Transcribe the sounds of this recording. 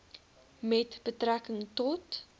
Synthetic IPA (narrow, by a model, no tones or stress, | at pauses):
mɛtbətrækəŋtɔt